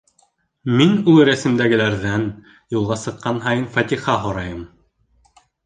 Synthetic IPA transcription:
minulˠɾæsɘ̆md̪æɡɘ̆læɾðæn | julˠʁɑsɤ̆qːɑnɦɑjɤnfɑt̪ʲiχɑɦŏɾɑjɤm

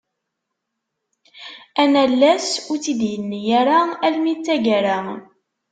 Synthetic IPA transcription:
ænælːæsʊɾt͡sid̪jənːijæɾaælmit͡sːæʝæɾa

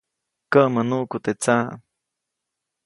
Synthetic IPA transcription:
kəʔmənuʔkut̪et͡sa̰

